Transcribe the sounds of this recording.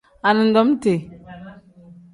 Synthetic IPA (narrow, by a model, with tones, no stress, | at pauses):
a˨nɨ˨n̩˦dɔ˦m˦te˨